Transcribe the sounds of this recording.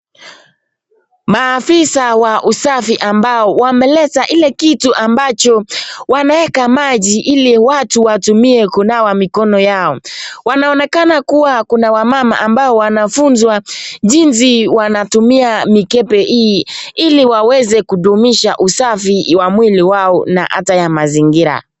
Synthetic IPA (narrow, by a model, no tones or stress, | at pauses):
maːfisawaʔusafiʔambaɔwamɛlɛtaʔilɛkituʔambat͡ʃɔwanawɛkamaʄiʔiliwatuwatumiɛkunawamikɔnɔjaɔwanaɔnɛkanakuwakunawamama̰ʔambaɔwanafunzwaʄins̬iwanatumiamikɛpɛʔiːiliwawɛzɛkuɗumiʃa̰ʔusafiwamwiliwaɔna̰ʔa̰tajamaziŋɡiɾa̰